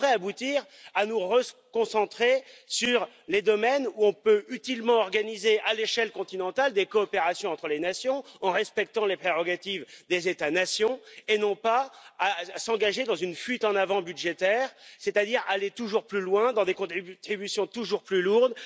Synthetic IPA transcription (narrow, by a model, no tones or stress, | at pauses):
ʁɛabut̪iʁ | anuʁəkɔ̃sɑ̃t̪χesyʁ | led̪ɔmɛnuɔ̃pøyt̪ilmɑ̃ɔʁɡanizeʔaleʃɛlkɔ̃t̪inɑ̃t̪ald̪ekɔːpeʁasjɔ̃ɑ̃t̪χəlenasjɔ̃ɑ̃ʁɛspɛk̚t̪ɑ̃lepχeʁɔɡat̪ivd̪ezet̪anasjɔ̃enɔ̃paː | sɑ̃ɡaʒed̪ɑ̃zynfɥit̪ɑ̃navɑ̃byd̪ʒet̪ɛːʁsɛt̪ad̪iʁalet̪uʒuʁplylwɛ̃d̪ɑ̃d̪ekɔ̃t̪t̪χibysjɔ̃t̪uʒuʁplyluʁd̪